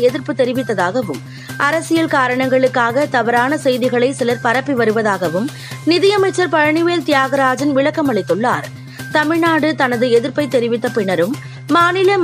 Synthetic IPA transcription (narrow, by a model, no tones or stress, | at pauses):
ɛðɪɾpɯt̪ːɛɾɪʋɪt̪ːɐðaːɣɐʋɯm | ʔɐɾɐsɪjɐlkaːɾɐɳɐŋɡɐɭɯkːaːɣɐt̪ɐʋɐɾaːnɐsɛjðɪɣɐɭɐɪsɪlɐɾpɐɾɐpːiʋɐɾɯʋɐðaːɣɐʋɯm | nɪðɪjɐmɐɪt͡ʃːɐɾpɐɻɐɳɪʋeːlt̪ɪjaːɣɐɾaːd͡ʒɐnʋɪɭɐkːɐmɐɭɪt̪ːɯɭːa̰ːɾ | t̪ɐmɪɻɳnaːɽɯt̪ɐnɐðɯɛðɪɾpɐɪt̪ːɛɾɪʋɪt̪ːɐpɪɳɐɾɯmː | aːnɪlɐm